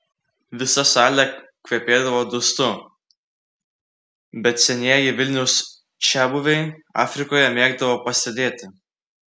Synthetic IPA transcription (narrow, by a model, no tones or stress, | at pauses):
ʋʲɪsɐsɑːlʲɛkʲʋʲiɛpʲeːd̪ɐʋoːd̪ʊst̪ʊ | bʲɛt̪sʲɛnʲiɛjɪʋʲɪlʲnʲɛʊs | ʃʲæːbʊʋʲɛɪɑ̰ːfʲɾʲɪkoːjɛmʲeːɡd̪ɐʋoːpɐsʲt̪ʲɛd̪ʲeːt̪ʲɪ